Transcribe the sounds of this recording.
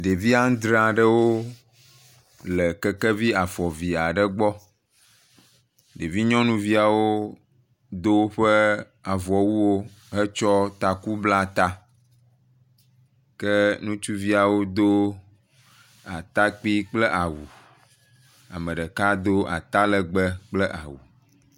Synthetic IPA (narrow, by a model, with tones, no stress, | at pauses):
ɖ̪e˨vi˦ã˦d̪ɾa˨ɖə˦wo˦ | lə˨kə˦kə˦vi˦a˨fɔ˨vi˨a˨ɖə˦ɡ͡bɔ˦ | ɖe˨vi˦ɲɔ̃˦nũ˦vi˦a˨wo˦ | d̪o˦ɸə˦ | a˨vɔ˨wu˦wo˦ | ɦə˦t͡ʃɔ˦t̪a˨ku˦bla˦t̪a˦ | kə˦nũ˦t͡ʃu˦vi˦a˨wo˦d̪o˦ | a˨t̪a˦k͡pi˦k͡plɛ˦ʔa˨wu˨ | a˨mə̃˨ɖə˨ka˦d̪o˦a̰˨t̪a˦lə˦ɡ͡bə˦k͡plə˦ʔa̰˨wu˨